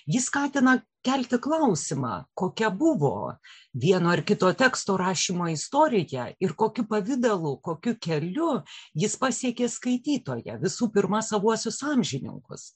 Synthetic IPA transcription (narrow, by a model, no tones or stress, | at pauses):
jɪskɑːt̪ʲɪnɐ | kʲɛlʲt̪ʲɪklˠɐʊsʲɪmɑ̰ːkoːkʲɛbʊʋo̰ː | ʋʲiɛnoːɪrkʲɪt̪oːt̪ʲɛːkst̪oːɾɑːʃʲiːmoːɪst̪oːɾʲɪjɛɪrkoːkʲʊpɐʋʲɪd̪ɐlˠʊkoːkʲʊkʲɛlʲʊjɪspɑːsʲiɛkʲeːskɐɪt̪ʲiːt̪oːjɛ̰ʋʲɪsuːpʲɪɾmɐsɐʋuɔsʲʊsɑːmʲʒʲɪnʲɪ̰ŋkʊ̰s